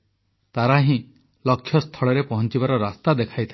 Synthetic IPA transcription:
t̪aɾaɦĩ | lɔkʰːjɔst̪ʰɔɭɔɾepɔɦɔnt͡ʃibaɾɔɾast̪ad̪ekʰajt̪ʰa

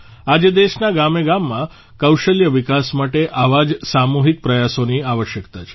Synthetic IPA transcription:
ad͡ʒed̪eʃnaɡameɡamːã | kəwʃəljəʋikasmaʈeʔaʋad͡ʒsamuɦik̚pɾəjasoniaʋəʃjəkt̪at͡ʃʰe̥

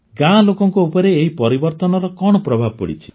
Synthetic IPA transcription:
ɡãlokɔŋkuupɔɾeːɦipɔɾibɔɾt̪ɔnɔɾɔkɔɽ̃ɔpɾɔbʱab̚pɔ̰ɽḭt͡ʃʰi̥

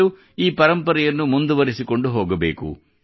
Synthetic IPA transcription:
u | iːpɐɾɐmpɐɾɐjɐnːumund̪uʋɐɾisiko̞ɳɖuɦoːɡɐbḛːkṵ

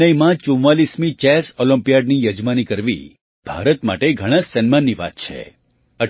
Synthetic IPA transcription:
əjmãt͡ʃũʋalismĩt͡ʃɛsɔlə̃mpijaɖnijəd͡ʒmanikəɾʋḭ | b̥ʱa̰ɾət̪ma̰ʈeɡʱəɽ̃ãsənmanːiʋa̰t̪̚t͡ʃʰḛ | ə

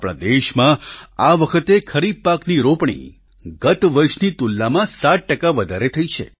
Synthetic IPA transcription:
pɭ̃a̰d̪eʃmãaʋəkʰət̪ekʰəɾid̪̚pakniɾopɳ̃ḭ | ɡət̪ʋəɾʃnit̪ulːamãsaʈʈəkaʋəd̪ʱaɾet̪ʰəit͡ʃʰḛ

